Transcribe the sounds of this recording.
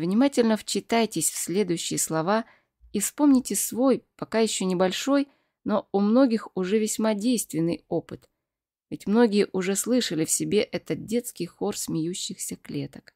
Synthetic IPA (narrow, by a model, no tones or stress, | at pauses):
vnʲɪmatʲɪlʲnəft͡ɕɪt̪ajtʲɪsʲfsʲlʲe̞d̪ʊjʉɕːɪjəslˠɐva | ifspo̞mnʲɪtʲɪsvo̞jpɐkajɪɕːonʲɪbɐlʲʂo̞j | no̞ʊmno̞ɡʲɪxʊʐɛvʲɪsʲmadʲejst̪vʲɪnːɨjo̞pɨt̪ | vʲɪtʲmno̞ɡʲɪjəʔʊʐɛslˠɨʂəlʲɪfsʲɪbʲeʔɛt̪ət̪̚dʲe̞t̪skʲɪjxo̞rsʲmʲɪjuɕːɪxsʲəklʲe̞t̪ə̥k